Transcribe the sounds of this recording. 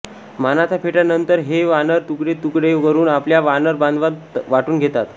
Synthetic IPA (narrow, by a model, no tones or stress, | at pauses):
manat͡sapʰeʈjanənt̪əɾɦeʋanəɾt̪ukɽet̪ukɽekəɾuːnapljaʋanəɾband̪ʋat̪ʋaʈuːnɡʱet̪at̪